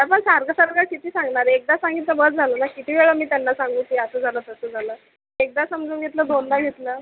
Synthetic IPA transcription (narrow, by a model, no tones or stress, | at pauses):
j̪apəɳsaɾɡasaɾɡakit̪ʰiːsãŋɡɳaɾek̚d̪asãŋɡit̪ləbət͡sd͡zʱalənakit̪ʰiːʋeɭəmiːt̪janːasaŋɡuːk̪iəsəːd͡zʱalət̪əsəd͡zʱalə | ek̚d̪asəmd͡zʱuːɡʱet̪ləd̪onlaɡʱet̪lə